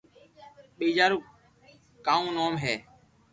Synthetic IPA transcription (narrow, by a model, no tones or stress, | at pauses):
ɓiːd͡ʒaːɾuː | kaːũːnoːmɦɛː